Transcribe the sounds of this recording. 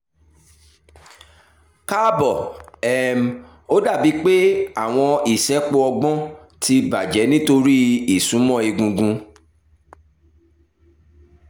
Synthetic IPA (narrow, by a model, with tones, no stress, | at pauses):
ka˦bɔ˦˨ɛ˨m̩˨ | o˦da˦˨bi˨˦k͡pe˦a˦˨w̃ɔ̃˧i˨sɛ˨˦k͡po˧ɔ˧ɡ͡bɔ̃˦ | ti˧ba˨d͡ʒɛ˨˦nĩ˦to˧ɾi˦i˨sũ˨˦mɔ̃˦˨i˧ɡũ˧ɡũ˧